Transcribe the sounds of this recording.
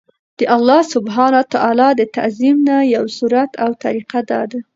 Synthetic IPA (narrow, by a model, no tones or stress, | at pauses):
d̪̥əʔalːɑsʊbɦɑnat̪aʔɑlɑd̪ət̪a̰zimnajawsuɾat̪ʰawt̪a̰ɾiqad̪ɑ̰d̪a